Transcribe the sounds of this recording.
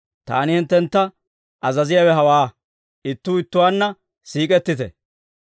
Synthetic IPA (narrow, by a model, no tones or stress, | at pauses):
t̪a̰ːnɪhɪnt̪ːɛnt̪ːɐ | ʔɐzɐzɪjawɛɦɐwaː | ɪt̪ːuːɪt̪ːʊwaːnːɐ | siːkʼɛt̪ːɪt̪ɛ